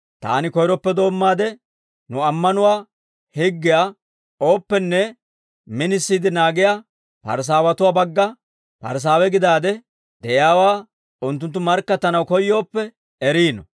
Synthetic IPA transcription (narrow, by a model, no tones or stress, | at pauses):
t̪a̰ːnɪkɔjɾɔpːɛd̪o̞ːmːaːd̪ɛ | nʊɐmːɐnʊwaː | hɪɡːɪja | o̞ːpːɛnːɛ | mɪnɪsːiːd̪ɪnaːɡɪja | pɐ̰ɾs̬aːwɐt̪ʊwaːbɐɡːɐ | pɐ̰ɾs̬aːwɛɡɪd̪aːd̪ɛ | d̪̥ɛjaːwaː | ʊnt̪̬ːʊnt̪ːʊmɐɾkːɐt̪ːɐnɐwkɔjːo̞ːpːɛ | ɛɾiːnɔ̰